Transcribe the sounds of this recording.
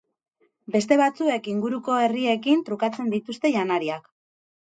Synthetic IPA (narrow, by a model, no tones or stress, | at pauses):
be̞st̪e̞β̞at͡sue̞kiŋɡuɾuko̞e̞rie̞kint̪ɾukat͡se̞nd̪it̪ust̪e̞ʝanaɾiak